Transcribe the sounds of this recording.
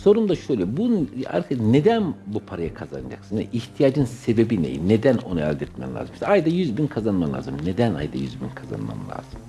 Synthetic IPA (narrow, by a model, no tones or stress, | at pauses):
so̞ɾumd̪aʃøjlʲɛbuna̰ɾt̪ʰaned̪ænbupʰaɾajakʰazanad͡ʒa̰ksɯnɛ̰ʔiht̪ʰijaːd͡ʒɯnse̞be̞binḛjḭned̪æno̞nuɛ̰lʲd̪ɛt̪mɛ̰mlʲa̰ːzɯmʃt̪ajd̪ajyzbinkʰazanmamlˠʲa̰ːzɯmned̪æna̰jd̪ajyzbinkʰaza̰nma̰nlʲˠa̰ːz̥ɯm